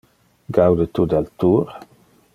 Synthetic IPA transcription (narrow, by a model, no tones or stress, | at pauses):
ɡawd̪ət̪ud̪alt̪uːɾ